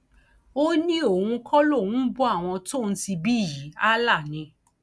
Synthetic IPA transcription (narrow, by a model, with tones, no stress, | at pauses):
o˦nĩ˦o˦˨hũ˧kʰɔ˦lo˦˨wũ˦bu˦a˦˨w̃ɔ̃˧to˦˨n̩˦ti˧bi˦˨ji˨˦a˦la˦˨nĩ˧